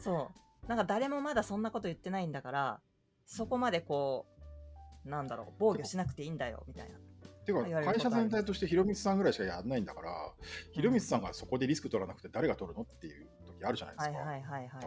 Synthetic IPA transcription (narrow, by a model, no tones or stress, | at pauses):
so̞ː | nãŋkad̪aɾe̞mo̞mad̪asõ̞nːako̞t̪o̞jɯ̟t̪ːe̞naĩnd̪akaɾa | so̞ko̞mad̪e̞ko̞ː | nãnd̪aɾo̞̰ːbo̞ːɡʲo̞ɕinakɯ̟t̪e̞ĩːnd̪ajo̰mʲit̪a̰ina̰t̪ekaiaɾkaiɕazẽ̞nt̪ait̪o̞ɕi̥t̪e̞çiɾo̞mʲisɨ̥sãŋɡɯ̟ɾaiɕi̥kajanːaĩnd̪akaɾa̰çiɾo̞mʲisɨ̥sãŋɡaso̞ko̞d̪e̞ɾʲisɨ̥kɯ̟t̪o̞ɾanakɯ̟̥t̪e̞d̪aɾe̞ɡat̪o̞ɾɯ̟no̞t̪ːe̞jɯ̟ | t̪o̞kʲiaɾɯ̟ʑana̰jd̪ḁihaiɦaiha